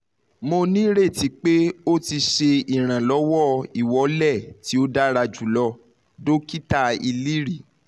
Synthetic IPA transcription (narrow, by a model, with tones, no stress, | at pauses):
mo˧nĩ˦ɾe˦˨ti˨˦k͡pe˦o˦˨ti˧ʃe˧i˨ɾ̃ã˨lɔ˨˦wɔ˦˨i˨wɔ˨˦lɛ˦˨ti˨˦o˦da˦ɾa˧d͡ʒu˨lɔ˧ | do˦ki˦ta˦˨i˧li˦ɾi˦˨